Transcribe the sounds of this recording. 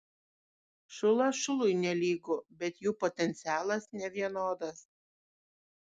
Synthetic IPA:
ʃʊlˠɐʃʊlˠʊɪnʲɛlʲiːɡobʲɛt̪juːpɔt̪ʲɛnʲt̪sʲæːlˠɐsnʲɛʋʲiɛnoːd̪ɐs

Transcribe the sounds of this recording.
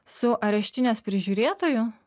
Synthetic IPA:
sʊʔɐɾʲɛʃʲt̪ʲɪnʲespʲɾʲɪʒʲuːɾʲeːt̪oːjʊ

